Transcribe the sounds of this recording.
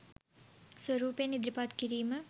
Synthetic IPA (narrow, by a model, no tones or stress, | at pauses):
swəɾuːpejnid̪ɾipat̪kiɾiːmə